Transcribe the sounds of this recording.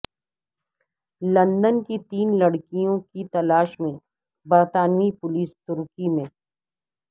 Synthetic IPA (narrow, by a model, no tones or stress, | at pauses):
lɐ̃nd̪ənkit̪iːnlɐɽkijõkit̪ɐlaːʃmẽ | bɐɾt̪aːnmipʊliːst̪ʊɾkimẽː